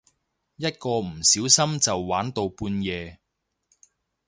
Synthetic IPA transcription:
jɐ˥t̚kɔː˧m̩˨˩siː˨˥wsɐ˥mt͡sɐ˨wːaː˨˥nt̪o˧wpuː˧njɛː˨˧

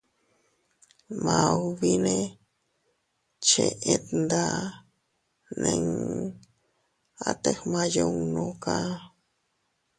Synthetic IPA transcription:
mã˨βinẽ˧ | t͡ʃe˧ʔe˦t̪nd̪a˦ | nẽ˧ŋ | a˧t̪exmã˧jo˦ŋnõka˦

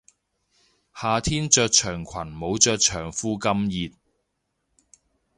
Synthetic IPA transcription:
haː˨˧t̪ʰiː˥nt͡ʃœː˧k̚t͡ʃʰœː˨˩ŋkʷʰwɐ˨˩nmo˨˧˥wt͡ʃœː˧k̚t͡ʃʰœː˨˩ŋfuː˥kɐ˥mjiː˨t̚

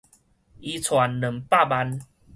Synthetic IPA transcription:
ʔi˧t͡sʰwa˨˦nnə˨˩mpa˥˨ba˧n

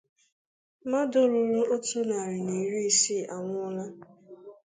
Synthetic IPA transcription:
ma˦do˦ɾu˦ɾu˦o˦tu˦na˨ɾɪ˨ni˨˦ɾi˦si˦˨ʔa˨ŋʷʊ˦la˦

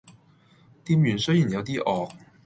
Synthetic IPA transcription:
t̪iː˥mjyː˨˩nsɵ˥ɥjiː˨˩njɐ˨˧wt̪iː˥ʔɔː˨k̚

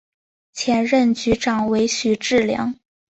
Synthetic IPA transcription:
t͡ɕʰjɛ˧˥nɻə˥˩nt͡ɕy˧˥ʈ͡ʂɑ˨˩ŋwe˧˥ɪɕy˨˩ʈ͡ʂɻ̩˥˩ljɑ̰˧˥ŋ

